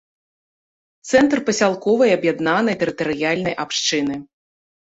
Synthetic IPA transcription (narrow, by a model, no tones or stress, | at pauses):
t̪sɛnt̪rpɐsʲalˠkɔvɐjɐbjad̪nanɐjt̪ɛɾɨt̪ɐɾɨjalʲnɐjʔapʂt͡ʂɨnɨ